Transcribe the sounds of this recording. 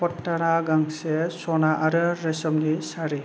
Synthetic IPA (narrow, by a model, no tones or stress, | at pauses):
pɔtːaɽaɡaŋsɛsɔnaʔaɾɯɾɛsɔmnisaɾi